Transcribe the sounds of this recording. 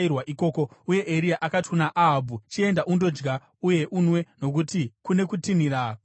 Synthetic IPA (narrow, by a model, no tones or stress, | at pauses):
irwaʔiko̞ːko̞uje̞ʔeɾiaʔakatikunaʔaɦabʱut͡ʃie̞ndaʔundo̞d͡ʒɡa | uje̞ʔunwe̞no̞k̬utikune̞kutiniːra